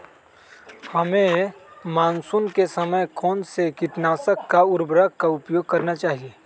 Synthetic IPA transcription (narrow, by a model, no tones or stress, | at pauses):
hɐmẽmaːnsunkesɐməjkɔːnsekɪʈnaːsəkːaʊɾbɾəɡkaʊpjoːɡ̚kɐɾnat͡ʃaːɦieː